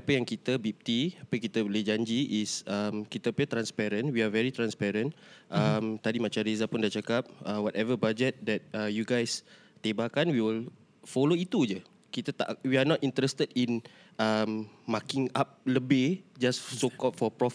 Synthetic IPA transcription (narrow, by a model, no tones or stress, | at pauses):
apəjaŋkit̪əbip̚t̪iapəkit̪əbəlɪhd͡ʒaɲd͡ʒiʔːsəmkit̪əpit̪ɾãnspɛɾə̃nwiavɛɹit̪ɾãnspɛɾə̃nʔəmt̪adimat͡ʃamɾezapundat͡ʃakap̚əwɔtɛvəbad͡ʒɛt̪̚dɛt̚əjuɡajs | t̪ebakanwiwəl | foloit̪ud͡ʒə | kit̪ət̪a̰ʔwianɔtĩnt̪ɾɛst̪ədin | əmmakɪŋap̚ləbɪd͡ʒassokɔʔfɔpɹɔf